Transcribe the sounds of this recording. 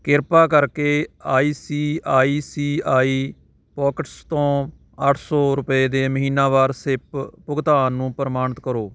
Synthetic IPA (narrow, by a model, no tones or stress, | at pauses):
kɪɾpaːkəɾkeːaːiːsiːaːiːsiːaːiː | pɔːkəʈst̪õː | əʈʰsɔːɾʊpeːd̪eːməɦiːnaːʋaːɾsɪppʊɡt̪aːnnũːpəɾəmaːɳət̪kəɾoː